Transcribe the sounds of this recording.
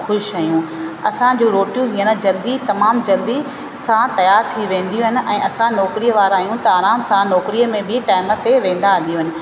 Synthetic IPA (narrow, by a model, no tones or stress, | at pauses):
xʊʃaːjũɐsãd͡ʑũːɾoːʈijũɦiːənəd͡ʑɐld̪it̪ɐmaːmd͡ʑɐld̪i | sãt̪ɐjaːɾt̪ʰiʋẽːn̆d̪ijũɦɪnɪ̆ʔɛ̃ːʔɐsãnɔːkɾiːəʋaːɾaːjũt̪ɐaːɾaːmsãnɔːkɾiəmẽbɪʈaːɪmə̆t̪eʋẽːn̆d̪aɦɐld̪ijũɦɪnɪ̆